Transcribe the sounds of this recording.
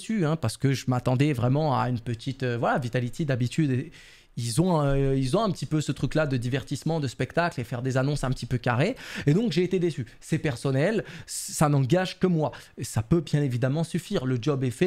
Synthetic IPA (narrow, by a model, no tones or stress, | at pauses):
syɛ̃paʁsə̥kəʒəmat̪ɑ̃d̪ɛvʁɛmɑ̃a̰ynpət̪ʰit̪øvwalavit̪alit̪ʰed̪abit̪yd̪e | ilzɔ̃ilzɔ̃ɛ̃pət̪ipøsət̪χyklad̪əd̪ivɛʁt̪ismɑ̃d̪əspɛkt̪aklefɛʁd̪ezanɔ̃sɛ̃pə̥t̪ipøkaʁeed̪ɔ̃kʒeːt̪ed̪esy | sɛpɛʁsɔnɛlsanɑ̃ɡaʒkəmwa | sapøbjɛ̃nevid̪amɑ̃syfiːʁləd͡ʒɔbɛfɛ